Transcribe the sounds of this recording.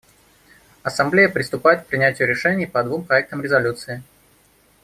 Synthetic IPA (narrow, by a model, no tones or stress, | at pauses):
ɐsɐmblʲejəpɾʲɪst̪ʊpajɪt̪k̚pɾʲɪnʲætʲɪjʊɾʲɪʂɛnʲɪjpɐd̪vumpɾɐɛk̚t̪əmɾʲɪzɐlʲut̪sɨɪ